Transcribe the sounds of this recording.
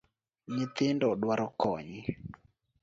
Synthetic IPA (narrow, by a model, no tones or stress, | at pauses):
ɲɪt̪ɪndɔɗwaɾɔkɔɲɪ